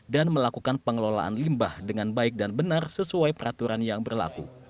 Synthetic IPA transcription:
danməlakukanpəŋəlola̰ʔa̰nlimbahdəŋanbaɪk̚danbənarsəsuajpəɾat̪uɾanjaŋbərla̰kṵ

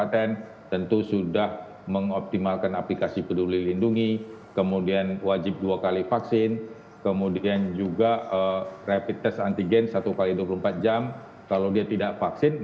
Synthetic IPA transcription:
at̪ɛn | t̪ənt̪usudah | məŋɔp̚t̪imalkanaplikasipədulilinduŋikəmudianwad͡ʒɪp̚duakalifaksɪn | kəmudiand͡ʒuɡaərapit̪ːɛsant̪iɡɛnsat̪ukaliduap̬uluəmpat̪̚d͡ʒam | kalawdiat̪idaʔfaksɪn

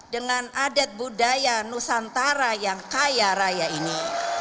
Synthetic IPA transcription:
dəŋanadat̪̚budajanusant̪aɾajaŋkajaɾajaini

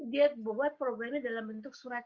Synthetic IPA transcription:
diat̪̚bəbuat̪̚pɾoɡɾamadalambənt̪ʊk̚suɾat̪̚

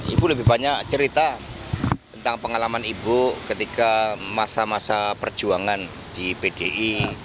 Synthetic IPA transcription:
ḭbuləbɪhbaɲaʔt͡ʃəɾit̪a | t̪ənt̪aŋpəŋalamanibukət̪ikamasamasapərd͡ʒuaŋan | d̥ipedeʔi

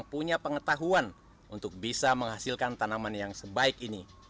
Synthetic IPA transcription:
ŋpuɲapəŋət̪aɦuan | unt̪ʊk̚bisaməŋɦasilkant̪anamanjaŋsəbaɪkini

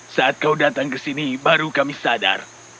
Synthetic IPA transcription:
saʔat̪̚kaudat̪aŋkəsinibaɾukamisada̰r

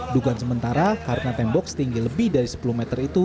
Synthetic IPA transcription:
duɡuansəmənt̪aɾakaɾənat̪ɛmbɔksə̥t̪iŋɡiləbɪhdaɾisə̥pulumɛt̪ərit̪u

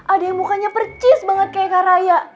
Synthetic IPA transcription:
ʔadajaŋmukaɲapərt͡ʃɪsbaŋət̪̚kajakaɾajaʔ

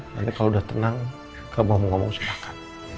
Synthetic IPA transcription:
ja̰dakaloudaht̪ənaŋ | kamamɔŋɔmɔŋsəpakḁt̪̚

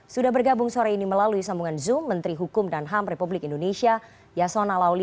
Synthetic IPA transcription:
sudahbərɡabʊŋsoɾainiməlaluisambuŋanzʊmːənt̪ɾiɦukʊmdanɦamrepublɪkindonesia | jasonalawli

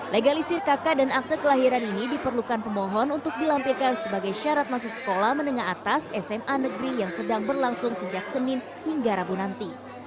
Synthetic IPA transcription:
leɡalisirkakadanak̚t̪əkəlaɦiɾaninidipərlukanpəmɔɦɔnunt̪ʊk̚dilampirkansəbaɡajʃaɾat̪̚masʊk̚sə̥kolahmənəŋaɦat̪asɛsɛmʔanəɡɾijaŋsədaŋbərlaŋsʊŋsəd͡ʒak̚sənɪn | hiŋɡaɾabunant̪i

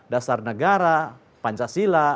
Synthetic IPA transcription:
dasarnəɡaɾa | paɲt͡ʃasila

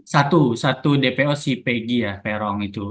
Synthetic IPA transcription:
sat̪usat̪udepeosipeɡijahpeɾɔŋit̪u

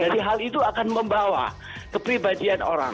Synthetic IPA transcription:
dadiɦalit̪uakanməmbawa̰ | kəpɾibadiano̰ɾa̰ŋ

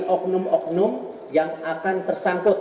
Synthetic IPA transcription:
ʔɔk̚nʊmɔk̚nʊm | jaŋakant̪ərsaŋkʊt̪̚

